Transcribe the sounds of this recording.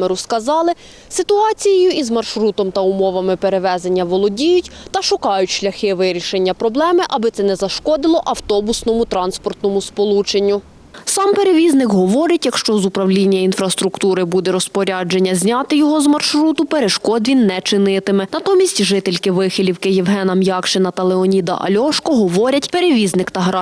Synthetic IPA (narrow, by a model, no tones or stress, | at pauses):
meɾʊskɐzɑlˠɪ | sɪt̪ʊɑt͡sʲijɪjʊizmɐrʃɾut̪ɔmt̪ɐʊmɔʋɐmɪpeɾeʋɛzenʲːɐʋɔlˠɔdʲijʊtʲt̪ɐʃʊkɑjʊtʲʃlʲɐxɪʋɪɾʲiʃenʲːɐpɾɔblˠɛmɪʔɐbɪt̪sɛnɛzɐʃkɔd̪ɪlˠɔʔɐwt̪ɔbʊsnɔmʊt̪ɾɑnspɔrt̪nɔmʊspɔlˠut͡ʃenʲːʊ | sɑmpe̞ɾeʋʲiznɪkɦɔʋɔɾʲɐtʲjɐkʃt͡ʃɔzʊpɾɐwlʲinʲːɐin̪fɾɐst̪ɾʊkt̪uɾɪbud̪ɛɾɔspɔɾʲɑd͡ʒe̞nʲːɐzʲnʲɑt̪ɪjɔɦɔzmɐrʃɾut̪ʊpeɾeʃkɔd̪ʋʲinːɛt͡ʃɪnɪt̪ɪmɪnɐt̪ɔmʲisʲtʲʒɪt̪elʲkɪʋɪxɪlʲiwkɪjiwɦɛnɐmjɑkʃenɐt̪ɐlˠeɔnʲid̪ɐ̰ʔɐ̰lʲɔʃkɔɦɔʋɔɾʲɐtʲpeɾeʋʲiznɪkt̪ɐɦɾɑ